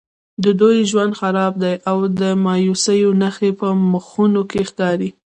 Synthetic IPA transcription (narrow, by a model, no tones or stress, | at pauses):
d̪əd̪ojʒwand̪xaɾɑb̚d̪ajʔawd̪əmɑjusəjonaxepəməxunokexkɑɾi